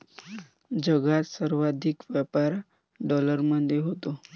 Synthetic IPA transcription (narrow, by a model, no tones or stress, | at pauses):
d͡ʑəɡat̪səɾʋad̪ʱikʋɛpaɾ | ɖɔləɾməd̪ʱjeɦot̪o